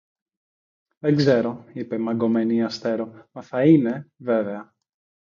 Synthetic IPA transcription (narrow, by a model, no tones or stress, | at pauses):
ðe̞ŋɡze̞ɾo̞ipe̞mɐɡo̞me̞niɐst̪e̞ɾo̞mɐθɐine̞ve̞ve̞ɐ